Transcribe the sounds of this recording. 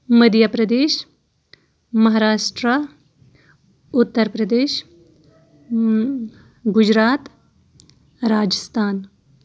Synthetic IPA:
məd̪japɾɐd̪eːʃ | mɐɦaːɾaːʃʈɾə | ʊt̪ːəɾpɾɐd̪eːʃ | ɡʊd͡ʒɾaːt̪ | ɾaːd͡ʒəst̪ʰaːn

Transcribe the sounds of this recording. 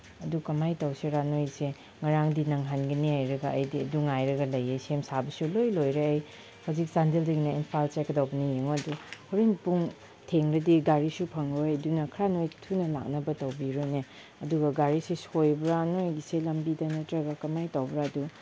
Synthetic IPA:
ɐdukɐmajtawseɾanojɡse | ŋɐɾaŋdinɐŋɦanɡɐniajɾɐɡɐɐjdiɐduŋajɾɐɡɐlɐjejsemsabɐsulojlojɾeːj | hawzik̚sandeldɐɡinɐinpʰalt͡ʃekɐdawbɐnijeŋoɐduhoɾinpuŋ | tʰeŋɾɐdiɡaɾisupʰɐŋɾojdunɐkʰɾanojtʰunɐla̰k̚nɐbɐtɐwbiɾone | ɐduɡɐɡaɾisesojbɾanojɡiselɐmbidɐnɐtɾɐɡɐkɐmajtawbɾaɐdu

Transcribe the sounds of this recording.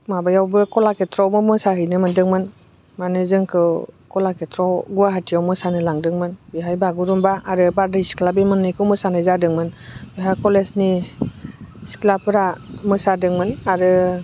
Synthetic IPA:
mabajawbɯkɔlaketʰɾɔwmɯmɯsaɦɯjnɯmɯndɯŋmɯn | manɯzɯŋkʰɯwkɔlaketʰɾɔwɡuaɦatʰijawmɯsanɯlaŋdɯŋmɯnbiɦajbaɡuɾumbaaɾɯbaɾdasi̥kʰlabimɯnːɯkʰɯwmɯsanɯzadɯŋmɯnbiɦakɔlesni | si̥klapɯɾamɯsadɯŋmɯnaɾɯ

